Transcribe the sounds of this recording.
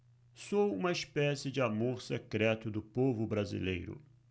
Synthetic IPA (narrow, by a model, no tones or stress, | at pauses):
sowũmɐɪspɛsɪd͡ʒɪamoɾsekɾɛt̪ʊd̪ʊpovʊbɾazḭlḛjɾʊ̰